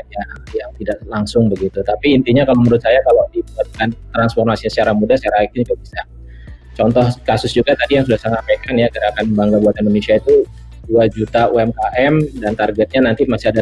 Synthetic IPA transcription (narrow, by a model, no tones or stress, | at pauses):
d͡ʒajaŋt̪idaʔlaŋsʊŋbəɡit̪ut̪apiːnt̪iɲakalaməɾʊt̪̚sajakaladibuat̪̚kant̪ɾansfɔrmasiasət͡ʃaɾaŋmudasaɾait̪id͡ʒuɡabisa | t͡ʃɔnt̪ɔhkasʊsd͡ʒuɡat̪adijaŋsudahsaŋapakanjakəɾaakanmbaŋɡabuat̪ɛndonesiait̪u | duad͡ʒut̪auɛmkaʔɛmdant̪arɡɛt̪̚ɲanant̪imasiada